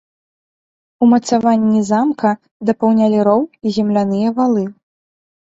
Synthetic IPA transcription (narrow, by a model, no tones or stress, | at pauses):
umɐt̪savanʲːizamkɐ | d̪ɐpɐwnʲalʲiɾɔwizʲɛmlʲanɨjɐvalˠɨ